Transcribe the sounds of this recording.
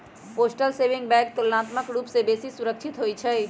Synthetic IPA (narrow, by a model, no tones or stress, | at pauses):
posʈəlsebiŋɡbɛkkəlnat̪məkɾupsebesisuɾək̚t͡ʃʰit̪ɦojt͡ʃʰə